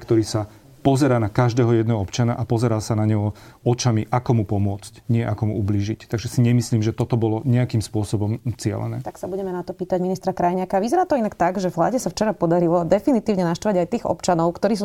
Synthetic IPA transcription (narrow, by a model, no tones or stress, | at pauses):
kt̪ɔɾiːsa | pɔzɛɾaːnakaʒd̪ɛːɦɔjɛd̪nɛːɦɔɔpt͡ʃanaʔapɔzɛɾaːsanaɲɛɦɔɔt͡ʃamiʔakɔmupɔmʊɔt͡scɲɪɛʔakɔmuubliːʒict̪aɡʒɛsiɲɛmisliːmʒɛt̪ɔt̪ɔbɔlɔɲɛakiːmspʊɔsɔbɔmt͡sɪɛ̰lɛ̰nɛ̰ːt̪aksabuɟɛmɛnat̪ɔpiːt̪aɟminist̪ɾakɾajɲɪakaːʋizɛɾaːt̪ɔinakt̪aɡʒɛvla̰ːɟɛsaft͡ʃɛɾapɔd̪aɾilɔd̪ɛfinit̪iːʊɲɛnaʃt̪ʋaɟajt̪iːɣɔ̰pt͡ʃanɔʊkt̪ɔɾiːs̬u